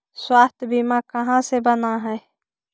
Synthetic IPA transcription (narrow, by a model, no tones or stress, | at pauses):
swaːst̪ʰbimãkɐɦãsebənaɦɛː